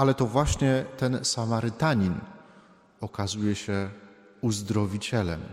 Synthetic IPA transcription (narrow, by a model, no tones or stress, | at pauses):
alɛt̪ɔvwaɕɲɛt̪ɛnsamaɾɘt̪aɲin | ɔkazujɛɕɛ | uzd̪ɾɔvʲit͡ɕɛlɛ̰m